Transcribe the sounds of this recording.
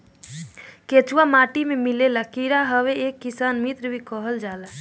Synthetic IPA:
ket͡ʃuwamaʈimemilelakiɾaɦəʋeekːisanmit̪ɾbʱikɔɦəld͡ʒala

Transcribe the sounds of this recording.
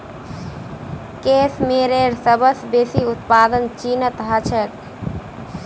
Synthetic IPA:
kesmeɾeɾsəbəsbeːsiʊt̪paːd̪ənt͡ʃinət̪ɦət͡ʃʰɛt̪

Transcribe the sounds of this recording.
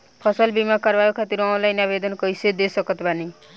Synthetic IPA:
pʰʌsʌlbimakʌɾbajokʰat̪iɾãw̃lajnabed̪ʌnkʌjsed̪esʌkʌt̪bani

